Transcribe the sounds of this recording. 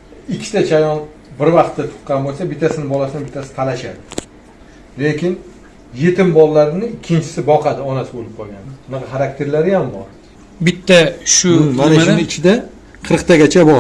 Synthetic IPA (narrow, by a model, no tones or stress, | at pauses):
ɪkʲʰːɪt̪at͡ʃʰajɒn | bɪɾvɑqt̪ʰːat̪ʰʊ̥qːɑnbolˠsabɪt̪ʰːasɪnɪbɒlasɪnɪbɪt̪ʰːasɪ̥t̪ʰalaʃad̪ɪ | lekʲɪn | je̞t̪ʰɪmbɒlˠːaɾɪnɪːkʲʰːɪnt͡ʃʰɪ̥sɪbɒqʰɑd̪ɪɒnasɪbolɪp̚qʰɒlˠɡʲanʊnɑqɑχaɾak̚t̪ʰe̞ɾlaɾɪjambɒɾ | bɪt̪ʰːaʃʊmanaʃnɪt͡ʃʰɪd̪a | qʰɨɾɨqt̪ʰaɡʲat͡ʃʰabɒ